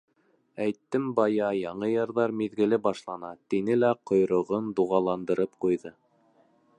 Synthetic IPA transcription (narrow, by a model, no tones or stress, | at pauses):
æjt̪ːɘmbɑjɑjɑɴɤjɑ̆ɾðɑɾmiðɡɘ̆lɘbɑʃlˠɑnɑt̪inɘlæqŏjɾŏʁɤnd̪uʁɑlˠɑnd̪ɤ̆ɾɤpqujðɤ